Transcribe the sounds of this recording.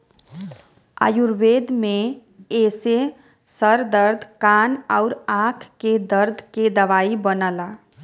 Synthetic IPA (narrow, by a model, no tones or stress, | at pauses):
a̰juɾbed̪me | ese | səɾd̪əɾd̪ʱkanaʊɾakʰked̪əɾd̪ʱked̪əʋaibənəla